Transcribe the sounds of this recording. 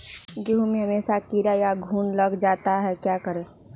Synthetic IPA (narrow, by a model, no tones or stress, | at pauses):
ɡeɦumẽɦəmeːsakiɾajaɡʱuːnləɡd͡ʒaːt̪aɦɛkjaːkəɾeː